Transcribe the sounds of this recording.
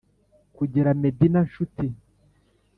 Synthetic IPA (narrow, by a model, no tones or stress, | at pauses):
kuɟiɾamedinanʃuti